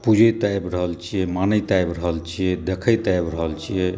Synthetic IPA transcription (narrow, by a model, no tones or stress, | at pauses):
pud͡ʒʱəjt̪ajbɾəɦəlt͡ʃʰijɛmanəjt̪ajbɾəɦəlt͡ʃʰijɛd̪ekʰəjt̪ajbɾəɦəlt͡ʃʰijɛ